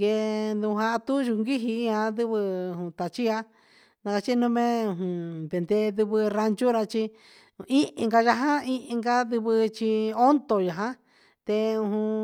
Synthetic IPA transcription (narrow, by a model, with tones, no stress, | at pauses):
ɡe˧nd̪ũ˧ɦa˧t̪u˦ʒu˧ŋɡi˦ɦi˧ĩ˦ã˧d̪ɨ˦βɨ̃˧˨ũ˧t̪a˨t͡ʃi˦ja˧˦ | nã˧ka˧t͡ʃi˦nũ˧mẽ˦ũ˧ɦũ˨be˨nd̪e˧ðɨ˧βɨ˧ɾa˧nt͡ʃu˦ɾa˧t͡ʃi˧ | ĩ˦ʔŋɡa˧ʒa˧ɦã˦i˧ʔĩ˧ŋɡa˧ðɨ˧βɨ˧t͡ʃi˧o˦nt̪o˨ja˨ɦã˦ | t̪e˧ũ˧ɦũ˧